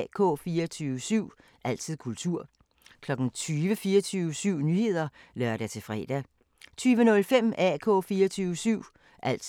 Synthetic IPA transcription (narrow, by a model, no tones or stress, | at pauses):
kʰɔ̰̽ːfiːɐt͡sʰyːʊəsyʊ̰ | ʔæl̰t͡sʰið̰ˠkʰult͡sʰuɐ̰ | kʰlɒ̽ɡ̥n̩t͡sʰyːʋəfiːɐt͡sʰyːʊəsyʊ̰nyːhe̝ð̰ˠɐ | lɶɐɾ̥æt͡sʰe̝fʁɛ̰ːd̥æ | t͡sʰyːʋənɔ̽lfem̰æ̰kʰɔ̰̽ːfiːɐt͡sʰyːʋəsyʊ̰ | ʔæl̰